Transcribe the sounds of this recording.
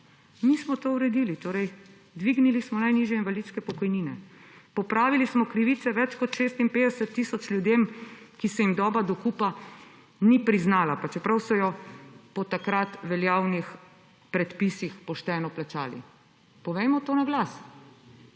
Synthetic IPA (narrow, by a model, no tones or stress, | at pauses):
mismɔt̪oːuɾɛd̪iːlit̪oːɾɛj | d̪ʋiɡnilismɔnajniʒjɛinʋalit̪skɛpɔkɔjniːnɛ̰pɔpɾaːʋilismɔkɾiʋit̪sɛʋɛt͡ʃkɔt̪ʃest̪impeːd̪ɛsɛt̪ːisɔt͡ʃljud̪eːmkisɛjimd̪ɔːbad̪ɔkupa | nipɾiznaːlapat͡ʃɛpɾawsɔjɔpɔt̪akɾat̪ʋɛljaːwnix | pɾɛt̪pisixpɔʃt̪ɛːnɔplat͡ʃa̰ːlḭ | pɔʋɛjmɔt̪oːnaɡlas